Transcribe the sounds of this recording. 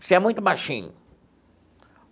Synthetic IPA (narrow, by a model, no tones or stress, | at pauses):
sɪɛmũj̃t̪ʊbajʃĩɲʊ̰